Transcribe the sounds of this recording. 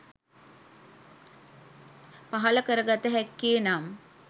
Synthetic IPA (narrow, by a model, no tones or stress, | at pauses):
paɦɐləkəɾəɡat̪əɦɛkːeːnam